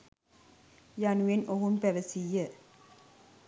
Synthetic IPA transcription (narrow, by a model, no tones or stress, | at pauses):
januenʔoɦumpæʋəsijːə